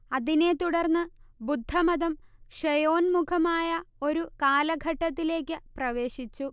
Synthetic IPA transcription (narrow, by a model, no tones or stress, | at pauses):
ɐðine̞t̪uɽɐrnːɨbud̪ʱːɐmɐðɐmʂɐjo̞ːnmukʰɐmaːjɐo̞ɾukaːlɐɡʱɐʈːɐt̪ːile̞ːkʲːɨprɐʋe̞ːɕit͡ɕːu